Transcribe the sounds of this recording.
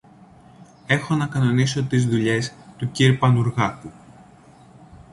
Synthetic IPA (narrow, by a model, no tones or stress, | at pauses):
e̞xo̞nɐkɐnoniso̞t̪izðuʎe̞st̪uciɾpɐnuɾɣɐku